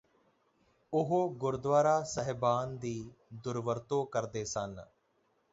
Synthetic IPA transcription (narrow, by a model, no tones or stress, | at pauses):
ʊɦoːɡʊɾd̪ʋaːɾaːsəɦbaːnd̪iːd̪ʊɾʋəɾt̪õːkəɾd̪eːsən